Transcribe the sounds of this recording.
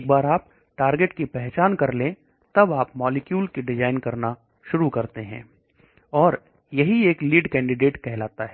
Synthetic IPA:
k̚baːɾaːp̚ | ʈaːɾɡeʈkipɛɦt͡ʃaːnkɐɾlẽ | t̪ɐbaːpmɔːlɪkjuːlkiɖɪd͡ʒaːɪnkɐɾna | ʃʊɾukɐɾt̪eɦɛ̰̃ː | ɔːɾ | jɐɦieːkliːɖkɛ̃ːɳɖɪɖeːʈkɛɦlaːt̪aɦɛː

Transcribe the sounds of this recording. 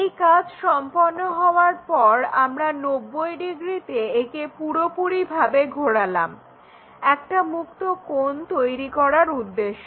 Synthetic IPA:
ejkad͡ʑʃɔmponːoɦɔoaɾpɔɾamɾanobːojɖiɡɾit̪eekepuɾopuɾibʱabeɡʱoɽalam | ɛk̚ʈamuk̚t̪okont̪ojɾikɔɾaɾud̪ːeʃːo

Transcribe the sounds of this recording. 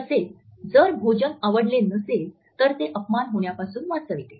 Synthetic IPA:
əseld͡zəɾbʱod͡ʑənaʋəɽlenəsel | t̪əɾt̪eʔəpmanɦoɳ̃japasuːnʋat͡səʋt̪e

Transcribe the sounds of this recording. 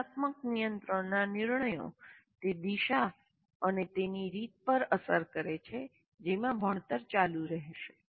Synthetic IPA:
at̪məknijənt̪ɾəɳnaniɾɳəjo̰t̪ed̪iʃa | ənet̪eniɾit̪̚pəɾəsəɾkəɾet͡ʃʰe | d͡ʒemãbʱəɳ̃t̪əɾt͡ʃaluɾəɦʃe̥

